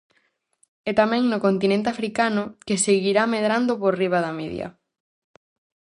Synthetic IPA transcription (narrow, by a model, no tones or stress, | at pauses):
ɛt̪amɛ̃ŋnʊkont̪inẽnt̪eafɾikanʊkeseɣiɾameðɾand̪ʊporiβ̞aðɐmeðj̰ɐ̰